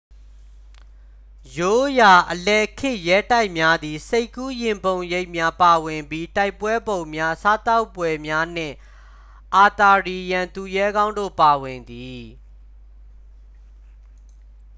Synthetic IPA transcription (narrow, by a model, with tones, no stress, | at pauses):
jo˦ja˨ʔəlɛ˨kʰɪ̃˦˨ʔjɛ˦ta˦ɪʔmja˦d̪i˨se˦ɪkːu˦jɪ̃˨mbõ˨ʊ̃je˦ɪʔmja˦pa˨wɪ̃˨mbji˦ta˦ɪpːwɛ˦bõ˨ʊ̃mja˦sa˦t̪a˦ʊpːwɛ˨mja˦n̥ɪ̰̃˦˨ | ʔa˨t̪a˨ɹi˨jã˨nt̪u˨jɛ˦ɡã˦ʊ̃ndo̰˦˨pa˨wɪ̃˨nd̪i˨